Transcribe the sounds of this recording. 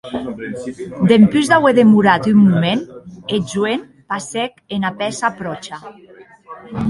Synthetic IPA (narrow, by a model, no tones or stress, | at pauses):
d̪empyzðaweðemuɾat̪ymːumened͡ʒuen | pasekenapɛsapɾɔt͡ʃa